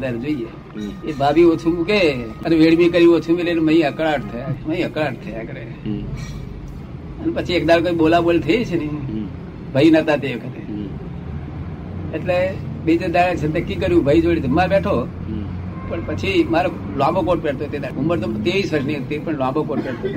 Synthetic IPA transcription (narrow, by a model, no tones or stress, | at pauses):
d̪aɾd͡ʒoie | ebʱabiot͡ʃʰumũkeəneʋeɽmikəɾijũot͡ʃʰumileneməĩəkɭaʈt̪ʰəjaməĩəkɭaʈ̚t̪ʰəjakəɾe | ənepət͡ʃʰiek̚d̪aɾkoĩɓolabolt̪ʰəjet͡ʃʰene | bʱəinət̪at̪eʋəkʰət̪e | ʈlebed͡ʒed̪aɭet͡ʃʰet̪əkːikəɾjũbʱəid͡ʒoɽid̪ʱəmaɾbeʈʰo | pəɳpət͡ʃʰimaɾo | lãbokoʈ̚peɽt̪ot̪ed̪auməɾt̪ot̪eʋisʋəɾʃniət̪iɾpəɳlabokoʈ̚peɽt̪o